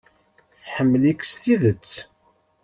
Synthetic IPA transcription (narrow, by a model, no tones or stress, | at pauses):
θħəmːəlikst̪iðət͡sː